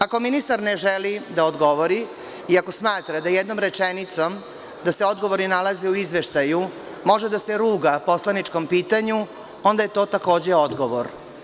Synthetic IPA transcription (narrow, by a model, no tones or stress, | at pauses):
ako̞minist̪aɾneʒelid̪aod̪ɡo̞ʋoɾi | iako̞smaːt̪ɾad̪ajed̪nomɾet͡ʂenit̪som | d̪aseo̞d̪ɡo̞ʋoɾninalazeuizʋeʃt̪aju | mo̞ʒed̪ase̞ɾuːɡapo̞slˠanit͡ʂko̞mpiːt̪aɲu | o̞nd̪ajet̪o̞ːt̪ako̞ːd͡ʑeod̪ɡo̞ʋoɾ